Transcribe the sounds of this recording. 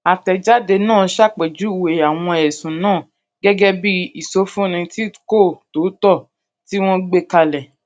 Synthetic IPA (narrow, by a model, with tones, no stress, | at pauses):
a˨tɛ˨d͡ʒa˦de˧nãː˦˨ʃa˦˨k͡pɛ˨d͡ʒu˨˦˨we˨a˨w̃ɔ̃˧ɛ˨sũ˨nãː˦˨ | ɡɛ˦ɡɛ˦bi˦i˨so˨˦fũ˦˨nĩ˧ti˦ko˦˨to˨˦tɔ˦˨ | ti˦w̃ɔ̃˦ɡ͡be˦ka˧lɛ˨